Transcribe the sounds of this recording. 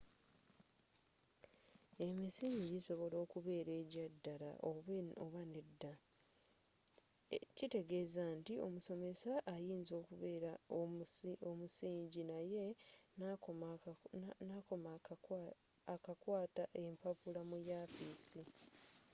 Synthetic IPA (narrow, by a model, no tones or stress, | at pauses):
e̞misiːɲɟiso̞βo̞lo̞ːkuβe̞ːɾe̞ːɟadːala̰ʔoβoβanedːa | cite̞ɡe̞zaːntio̞̰muso̞me̞saʔːjiːnzo̞ːkuβeɾa | omusiːɲɟinaje̞na | akom | kakwaːtaʔe̞mpapulamujaːfiːsi